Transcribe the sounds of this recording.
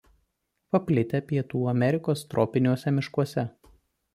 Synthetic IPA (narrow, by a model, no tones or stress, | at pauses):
pɐpʲlʲɪt̪ʲɛpʲiɛt̪uːɐmʲɛɾʲɪkoːst̪ɾʔɔːpʲɪnʲuɔsʲɛmʲɪʃkuɔsʲɛ